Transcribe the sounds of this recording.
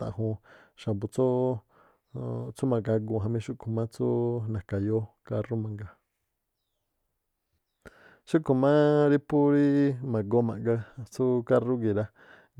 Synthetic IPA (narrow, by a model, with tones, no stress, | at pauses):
t̪ã̰˨ʔɦũ˧ | ʃa˨bu˧t͡so˦ | t͡su˦mã˨ɡa˧ɡu˧˨ɦã˧mĩ˧˦ʃu˦kʰu˨mã˦t͡su˦nã˨ka˨jo˦ka˧ru˦mã˧ŋɡa˨ | ʃu˦ʔku˧mã˦ɾi˦pu˦ɾi˦mã˨ɡo˧˦mã̰˨ŋɡa˧t͡su˦ka˦ru˦ɡi˨ɾa˧